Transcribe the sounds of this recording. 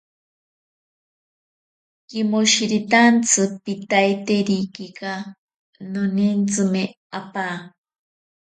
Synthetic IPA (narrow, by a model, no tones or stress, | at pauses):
kimoʃiɾit̪ant͡sʰɨpit̪ajt̪eɾikika | nonint͡sɨme | apaː